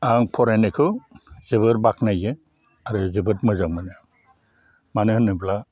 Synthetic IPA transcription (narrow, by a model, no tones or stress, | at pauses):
aŋpʰɔɾanɯkʰɯz̥ɯβɯɾbak̚najɯ | aɾɯzɯbɯtmɯzamɯnɯ | manɯhnɯbla